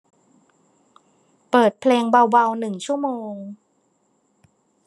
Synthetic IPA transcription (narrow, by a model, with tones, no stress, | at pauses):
pɤː˨˩t̪̚pʰleː˧ŋba˧wba˧wnɯ˨˩ŋt͡ɕʰu˥˩əmoː˧ŋ